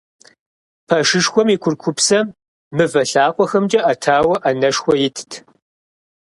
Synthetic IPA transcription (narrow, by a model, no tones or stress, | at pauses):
pʰɐʂɨʂxʷɔmikʷʰʊrkʷʰʊpsɐm | mɨvɐɬaːqʷʼɔxɐmd͡ʒʼɐʔɐtʰaːwɐʔɐnɐʂxʷɔjɪtʰtʰ